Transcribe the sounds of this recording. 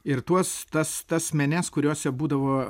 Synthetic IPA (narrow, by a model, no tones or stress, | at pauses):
ɪɾt̪uɔst̪ɐst̪ɐsmʲɛnʲɛskʊɾʲoːsʲɛbuːd̪ɐʋoː